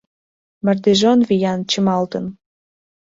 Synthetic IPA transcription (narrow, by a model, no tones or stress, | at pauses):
mərd̪eʒonvijɑnt͡ɕəmɑlt̪ə̆n